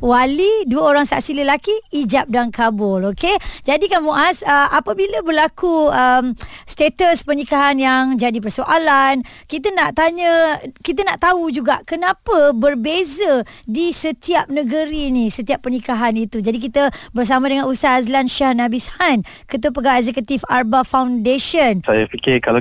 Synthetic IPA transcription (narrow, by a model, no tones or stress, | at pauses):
waliduəoɾaŋsa̰ʔsiləlakiːd͡ʒap̚daŋkabʊloked͡ʒadikanmuʔasəapəbiləbəlakuəmst̪et̪əspənikaɦanjaŋd͡ʒadip̬ərsoʔalan | kit̪̬ənaʔt̪aɲəkit̪̬ənaʔt̪aud͡ʒuɡaʔkənãpəbərbezədisət̪iap̚nəɡəɾinĩsət̪iapːənikaɦanit̪ud͡ʒadik̬it̪əbərs̬amãdəŋanusaazlanʃiahnabishan | kət̪̬uəpəɡawɛz̬ɛkət̪ifarbafawndeʃənsajapikɪkala